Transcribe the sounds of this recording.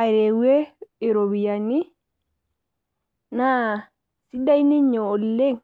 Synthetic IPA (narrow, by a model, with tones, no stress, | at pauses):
a˨ɾe˨we˦i˨ɾo˨βi˨jani˦ | na˦ | si˦da˦ini˦ɲoː˨lːe˦ŋ